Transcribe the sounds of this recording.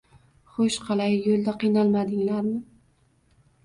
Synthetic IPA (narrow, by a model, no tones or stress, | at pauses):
χoʃqʰɑlajjolˠd̪aqijnalˠmad̪ɪŋlaɾmɪ